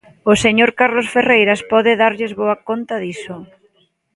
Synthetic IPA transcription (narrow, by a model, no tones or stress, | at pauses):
oseɲoɾkaɾlosferejɾaspɔðɪðaɾʎezβoakont̪aðisʊ